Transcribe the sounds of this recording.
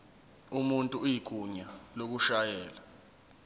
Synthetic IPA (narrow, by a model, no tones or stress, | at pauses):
umuntʼuujik̬ʼuɲalok̬uʃajɛːla